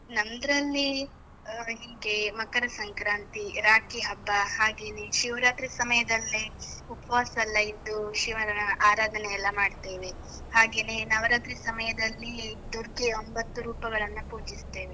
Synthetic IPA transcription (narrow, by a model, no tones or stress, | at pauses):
nɐnd̪ɾɐlːi | ɦiːɡe̞mɐkɐɾɐsɐŋkɾaːnt̪iɾaːkiɦɐbːɐhaːɡeːneʃiʋɾaːt̪ɾisɐmɐjɐd̪ɐlːiupɐʋaːsɐlːɐid̪ːuʃiʋɐɾɐnɐʔaːɾaːd̪ʱɐnɛjɐlːɐmaːɖt̪e̞ːʋe | haːɡe̞ːnenɐʋɐɾaːt̪ɾisɐmɐjɐd̪ɐlːid̪uɾkeo̞mbɐt̪ːuɾuːpɐɡɐɭɐnːupuːd͡ʒist̪e̞ːʋe